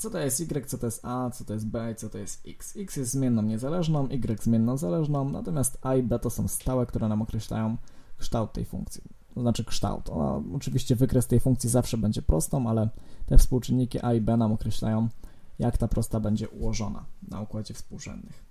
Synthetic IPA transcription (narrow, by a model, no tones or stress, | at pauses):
t̪sɔt̪ɔjɛst̪iɡɾɛk̚t̪sɔt̪ɔjɛst̪at̪sɔt̪ɔjɛst̪bɛit̪sɔt̪ɔjɛst̪ḭksiksjɛst̪zmʲjɛnːɔ̃mɲɛzalɛʐnɔ̃mʔiɡɾɛɡzmʲjɛnːɔ̃wzalɛʐnɔ̃w̃na̰t̪ɔmʲjast̪aibɛt̪ɔsɔ̃w̃st̪awɛkt̪uɾɛnamɔkɾɛɕla̰jɔ̃w̃kʂt̪awt̪ːɛ̰jfṵ̃ŋk̚t̪sʲji̥ | t̪ɔznat͡ʂɘkʂt̪a̰wt̪ɔ̰na̰ɔt͡ʂɘvʲiɕt͡ɕɛvɘkɾɛst̪ɛjfuŋkt̪sʲizafʂɛbɛɲd͡ʑɛpɾɔst̪ɔ̃w̃alɛt̪ɛfspuwt͡ʂɘnːikʲiʔaibɛnamɔkɾɛɕla̰jɔ̃w̃ | jakt̪apɾʔɔst̪abɛɲd͡ʑɛʔuwɔʐɔna̰na̰ukwad͡ʑɛfspuwʐɛ̰nːɘx